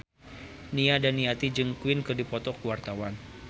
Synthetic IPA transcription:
niadaniat̪id͡ʒɨŋkuɪnkɨrdipɔt̪ɔkuwart̪awan

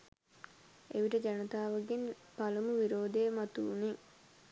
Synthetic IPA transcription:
eʋiʈəd͡ʒanɐt̪aːʋəɡin | palumuʋiɾoːd̪ejəmat̪ṵːne

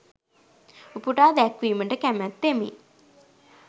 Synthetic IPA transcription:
upuʈaːd̪ækʋiːməʈəkæmæt̪ːemḭ

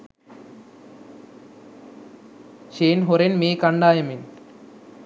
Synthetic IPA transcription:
ʃeːnɦoɾenmeːkɐɳɖaːjɐmin

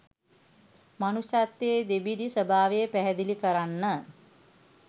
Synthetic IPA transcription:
manuʃat̪ːeːd̪ebidisəbʱaːʋejəpæɦɛd̪ilikəɾanːə

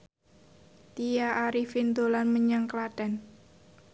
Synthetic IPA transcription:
t̪ijaʔaɾifind̪olanməɲaŋklaɖ̥a̤n

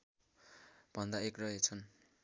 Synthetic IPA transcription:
b̥ʱʌnd̪aekrʌet͡sʰʌn

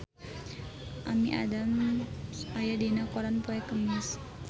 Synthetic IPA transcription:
ʔamiʔa̰dam | ajadenakɔɾanpɔɛkəmɪs

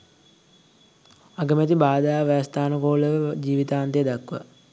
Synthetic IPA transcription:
aɡəmæt̪̬ibaːd̪aaʋːst̪aːnəkoːləʋəd͡ʒiːʋit̪aːnt̪ejed̪akːuʋa̰

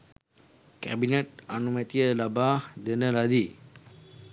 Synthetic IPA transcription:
kɛbinət̚anumə̃t̪iəlabahd̪ənəlad̪i

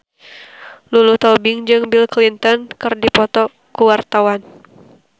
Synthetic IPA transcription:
lulut̪ɔbɪŋd͡ʒɨŋbilklint̪ɔnkɨrdipɔt̪ɔ | kuwart̪awan

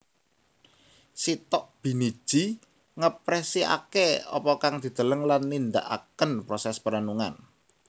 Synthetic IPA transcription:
sit̪ɔʔb̥i̤nid̥ʒ̥i̤ | ŋəpɾɛsia̰keɔ̰pɔkaŋd̪̥i̤d̪̥ə̤ləŋlanːind̪a̰ʔa̰kənpɾɔsɛspəɾanuŋa̰n

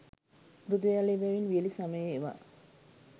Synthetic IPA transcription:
mɾud̪ujaleʋɛʋinʋiəlisaməjəːʋa̰

